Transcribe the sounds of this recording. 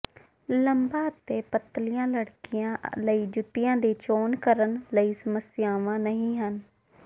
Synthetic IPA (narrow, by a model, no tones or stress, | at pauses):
ləmbãːət̪eːpət̪lɪjãːləɽkɪjãːləiːd͡ʒʊt̪ɪjãːd̪iːt͡ʃoːnkəɾənləiːsəməsɪjaːʋãːnəɦĩːɦən